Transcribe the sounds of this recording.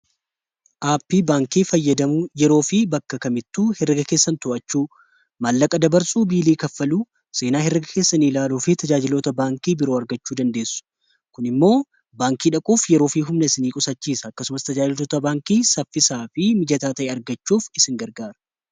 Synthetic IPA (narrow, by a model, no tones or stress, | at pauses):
ʔaːpːiːbaːŋkiːfɐjːɐd̪ɐmʊjɛɾo̞ːfɪbɐkːɐkɐmɪt̪ːuːhɛrɐɡɐke̞ːsːɐnt̪ʊʔɐt͡ʃːuː | mɐlːɐkʼɐd̪ɐbɐɾsuːbiːliːkɐfːɐluː | se̞ːnaːhɛɾɐɡɐkeːsːɐniːlaːluːfɪt̪ɐd͡ʒaːd͡ʒɪlo̞ːt̪ɐbaːŋkiːbɪɾoːɐɾɡɐt͡ʃːuːd̪ɐnd̪e̞ːsːʊ̥ | kʊnɪmːo̞ː | baːŋkiːᶑɐkʼuːfjɛɾo̞ːfiɦʊmnɐɪsɪniːkʼʊsɐt͡ʃːiːsɐːkːɐsʊmɐst̪ɐd͡ʒaːd͡ʒɪloːt̪ɐbaːŋkiːsɐfːɪsaːfɪmɪd͡ʒɐt̪aːt̪ɐʔeːɐɾɡɐt͡ʃːuːfɪsɪŋɡɐɾɡaːɾɐ̥